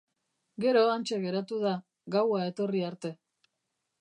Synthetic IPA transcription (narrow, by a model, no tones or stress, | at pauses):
ɡe̞ɾo̞ant͡ʃe̞ɣe̞ɾat̪uð̞a | ɣawaet̪o̞riaɾt̪e̞